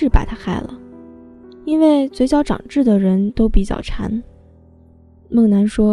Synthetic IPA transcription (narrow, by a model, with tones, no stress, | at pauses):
ɻ̩˥˩pa˨˩ɪt̪ʰa˥xa˥˩ɪlə̰˩ | i˥nwe˥˩ɪt͡swe˧˥ɪt͡ɕjɑ˧˥ʊʈ͡ʂɑ̰˨˩ŋʈ͡ʂɻ̩˥˩d̪ə˩ɻə˧˥nt̪o˥ʊpi˨˩t͡ɕjɑ̰˥˩ʊʈ͡ʂʰa̰˧˥n | mɤ˥˩ŋna˧˥nʂwɔ˥